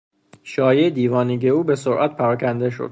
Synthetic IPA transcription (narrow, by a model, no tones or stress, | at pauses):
ʃɒːjed̪iːvɒːnice̞uːbe̞soɾʔæt̪̚pʰæɾɒːcʲʰænd̪e̞ʃo̰d̪̥̚